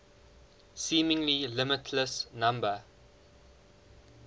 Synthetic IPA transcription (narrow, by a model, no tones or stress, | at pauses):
sĩːmɪ̃ŋlilɪmɪtʰləsnãmbə